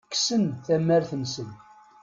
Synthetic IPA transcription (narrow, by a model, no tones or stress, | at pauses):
kːsənθæmːæɾθənsən